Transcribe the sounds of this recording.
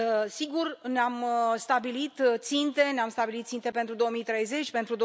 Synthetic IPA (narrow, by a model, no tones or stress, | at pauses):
siɡurneamst̪abilit̪t̪sint̪e̞neamst̪abilit̪t̪sint̪e̞pent̪ɾud̪o̞omijt̪ɾe̞jze̞t͡ʃʲpe̞nt̪ɾud̪o